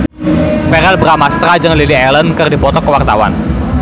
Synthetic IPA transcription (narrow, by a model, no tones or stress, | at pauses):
fɛɾɛlbɾamast̪ɾad͡ʒɨŋliliɛlənkɨrdipɔt̪ɔkːəwart̪awa̰n